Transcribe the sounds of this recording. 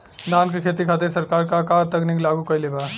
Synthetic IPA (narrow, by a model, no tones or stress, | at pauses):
naːnkekʰet̪ikʰaːt̪̬esɐɾkaːɾkakat̪ɐkniklaːɡukɐileba